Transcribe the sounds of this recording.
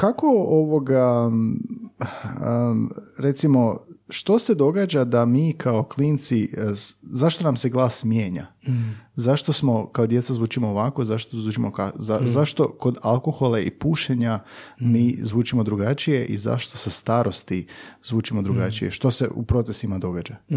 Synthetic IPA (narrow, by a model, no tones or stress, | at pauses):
kako̞oʋoɡa | ɾe̞t̪simo̞ʃt̪o̞se̞d̪o̞ɡaːd͡ʒad̪amiːkʰao̞kliːnt̪si | zaʃt̪o̞namseɡlˠaːsmjeːɲa̰ | zaʃt̪osmo̞kao̞d̪je̞t̪sazʋuːt͡ʃimoːʋako̞izaʃt̪ozuːt͡ʃimokaazaʃt̪o̞ko̞d̪alˠko̞xo̞laḭpuːʃeɲamiːzʋuːt͡ʃimo̞d̪ɾuɡat͡ʃije̞ʔḭza̰ʃt̪o̞sest̪aːɾo̞st̪izʋuːt͡ʃimo̞d̪ɾuɡat͡ʃije̞̰ʃt̪o̞sḛʔṵpɾo̞t̪sesimad̪o̞ɡad͡ʒa